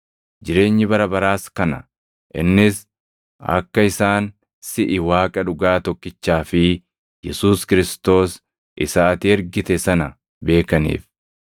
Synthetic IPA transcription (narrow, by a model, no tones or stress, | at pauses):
d͡ʒɪɾe̞ːɲːɪbɐɾɐbɐɾaːskɐnɐ̰ | ʔɪnːɪs | ɐ̰kːɐɪsaːn | sɪʔɪwaːkʼɐᶑʊɡaːt̪ɔkːɪt͡ʃːaːfɪ | jɛsuːskɪɾɪst̪o̞ːs | ʔɪ̰saːt̪ɪɛɾɡɪt̪ɛsɐnɐ | be̞ːkɐnḭːf